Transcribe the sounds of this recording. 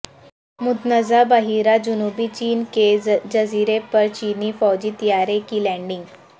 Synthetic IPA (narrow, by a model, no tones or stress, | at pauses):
mud̪nəd͡zabaɦiɾad͡ʑunubiːt͡ɕiːnked͡ʑəziɾepəɾt͡ɕiniːfɔwd͡ʑiːt̪ijaɾekiːlɛ̃ɳɖiŋɡ